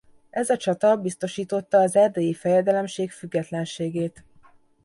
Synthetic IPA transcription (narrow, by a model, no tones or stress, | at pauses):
ʔɛzɒt͡ʃɒt̪ɒbist̪o̞ʃiːt̪o̞t̪ːɒːzɛrd̪eːjifɛjɛd̪ɛlɛmʃeːkfyɡːɛt̪lɛnʃeːɡeːt̪